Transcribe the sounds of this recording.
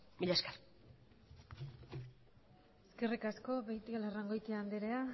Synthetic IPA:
miʎaskaɾ | eskirikasko̞βejt̪ialaraŋɡo̞jt̪iand̪eɾea

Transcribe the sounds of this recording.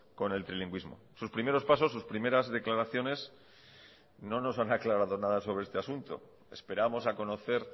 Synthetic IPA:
ko̞ne̞lt̪ɾiliŋɡwizmo̞̰suspɾime̞ɾo̞spas̬o̞sːuspɾime̞ɾazðe̞klaɾaθjo̞ne̞s | no̞no̞sanaklaɾaðo̞naðaso̞βɾeest̪easunt̪o̞̰ | e̞̰spe̞ɾamo̞sako̞no̞θe̞ɾ

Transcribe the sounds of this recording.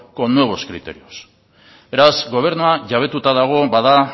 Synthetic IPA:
ko̞nwe̞β̞o̞skɾit̪e̞ɾio̞s | be̞ɾazɡo̞β̞e̞ɾnuaʝaβ̞e̞t̪ut̪aðaɣ̞o̞βaða

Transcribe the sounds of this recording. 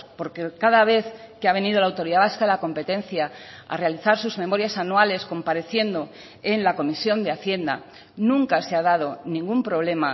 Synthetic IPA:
po̞ɾkekaðaβ̞e̞θkeaβ̞e̞nið̞o̞lawt̪o̞ɾiðaβ̞askaðelako̞mpe̞t̪e̞nθjaa̰re̞aliθaɾsuzme̞mo̞ɾjasanwale̞sko̞mpaɾe̞θje̞nd̪o̞ | enlako̞misjo̞nd̪eaθje̞nd̪a̰ | nũŋkaseaðað̞o̞nĩŋɡumpɾo̞β̞le̞ma

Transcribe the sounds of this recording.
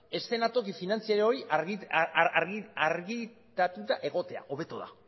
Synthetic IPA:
e̞st̪e̞nat̪o̞kifinant͡siaɾoi | aɾɣiaɾɣi | t̪at̪ut̪aʔe̞ɣo̞t̪e̞a̰ʔo̞βe̞t̪oða̰

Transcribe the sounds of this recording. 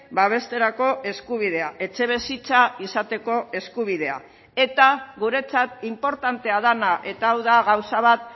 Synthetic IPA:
baβ̞e̞st̪e̞ɾako̞e̞skuβ̞ið̞e̞aʔe̞t͡ʃe̞β̞e̞sit͡saisat̪e̞ko̞e̞skuβ̞ið̞e̞a̰ | e̞t̪aɣuɾe̞t͡sat̪impo̞ɾt̪ant̪e̞að̞anaʔe̞t̪aːwðaɣawsaβ̞at̪

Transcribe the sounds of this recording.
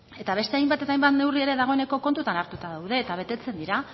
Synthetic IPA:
e̞t̪aβ̞e̞st̪e̞ajmbat̪e̞t̪ajmbat̪ne̞wrie̞ɾe̞ðaɣo̞ene̞ko̞ko̞nt̪ut̪anaɾt̪ut̪aðawðe̞ːt̪aβ̞e̞t̪e̞t͡se̞nd̪iɾa

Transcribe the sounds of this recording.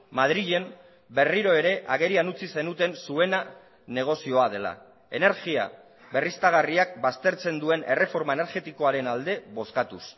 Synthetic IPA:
mað̞ɾiʎe̞m | be̞riɾo̞e̞ɾe̞ʔaɣe̞ɾianut͡sise̞nut̪e̞nsue̞na | ne̞ɣ̞o̞sio̞að̞e̞la̰ | e̞ne̞ɾɣia̰ | βe̞rist̪aɣ̞ariak̚bast̪e̞ɾt͡se̞nd̪ue̞nʔe̞re̞fo̞ɾmae̞ne̞ɾɣe̞t̪iko̞aɾe̞nald̪e̞βo̞skat̪us

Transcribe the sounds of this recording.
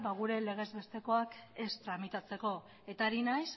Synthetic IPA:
βaɣ̞uɾe̞le̞ɣ̞e̞zβe̞st̪e̞ko̞ake̞st̪ɾamit̪at͡se̞ko̞ | e̞t̪aːɾinajs

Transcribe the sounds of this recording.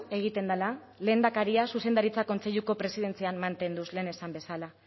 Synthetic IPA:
e̞ɣ̞it̪e̞nd̪ala | le̞ːnd̪akaɾiasuse̞nd̪aɾit͡sako̞nt͡se̞ʎuko̞pɾe̞sið̞e̞nt͡sianmant̪e̞nd̪usle̞ːne̞sambe̞sala

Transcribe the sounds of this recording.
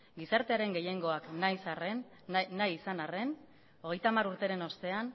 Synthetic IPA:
ɡisaɾt̪e̞aɾe̞ŋɡe̞je̞ŋɡo̞aknajsarenː | ajːsanare̞n | o̞ɣ̞e̞jt̪aːmaɾuɾt̪e̞ɾe̞no̞st̪e̞an

